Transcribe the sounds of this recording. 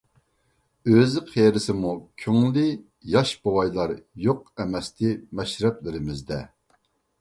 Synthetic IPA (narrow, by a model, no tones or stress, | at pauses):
øzɪqʰeɾɪsɪmukʲʰyŋlɪ | jɑʃbowɑjlˠɑɾjoq̚ɛmɛst̪ʰɪmɛʃɾɛplɪɾɪmɪzd̪ɛ